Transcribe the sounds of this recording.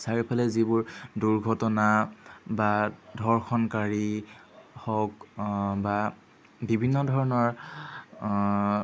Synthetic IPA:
saɹipʰalɛzibʊɹduɹɡʱɔtɔnabadʱɔɹxɔnkaɹi | hɔkba | bibʱinːɔdʱɔɹɔnɔɹ

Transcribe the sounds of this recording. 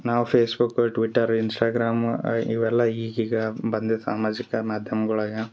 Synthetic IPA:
naːʋupʰeːsbukːʈʋiʈːɐɾinsʈaːɡɾaːmiʋɛlːɐiːɡiːɡɐbɐnd̪esaːmaːd͡ʒikɐmaːd̪ʱjɐmɐɡɐɭɐɡe

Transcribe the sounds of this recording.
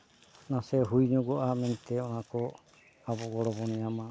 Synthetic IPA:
nasɛɦujɲɔɡɔʔamɛnt̪ɛɔnakɔ | abɔɡɔɾɔbɔnɛama

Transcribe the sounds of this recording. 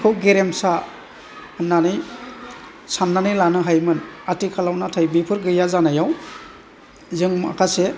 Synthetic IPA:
kʰɯwɡeɾemsa | nːanɯj | sanːanɯjlanɯɦajmɯnatikʰalawnatʰajbipʰɯɾɡɯjazanajaw | zɯŋma̰kʰase

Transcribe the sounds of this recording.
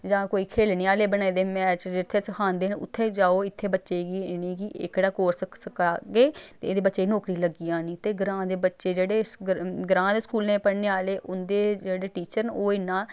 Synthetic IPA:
d͡ʒãːkoːiːkʰeːlneːaːleːbənaːiːd̪eːmɛ̃ːt͡ʃd͡ʒɪt̪ʰːeːsəkʰaːnd̪eːnʊ̰t̪ʰːeːd͡ʒaːoːɪt̪ʰːeːbətːʃeːɡiːɪnẽːɡiʔɪ̰kɽaːkoːɾssəkaːɡeːt̪eed̪eːbətːʃeːinoːkɾiːləɡijãːnĩːt̪eːɡɾãːd̪eːbətːʃeːd͡ʒeːɽeːɡɾãːd̪eːskuːlnẽːpəɽneːaːleːʔʊnd̪eːd͡ʒeːɽeːʈiːt͡ʃəɾnoːɪnãː

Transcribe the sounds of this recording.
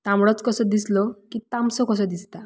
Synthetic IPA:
t̪amɽɔt͡skɔsɔd̪islɔkit̪amsɔkɔs̬ɔd̪ist̪a

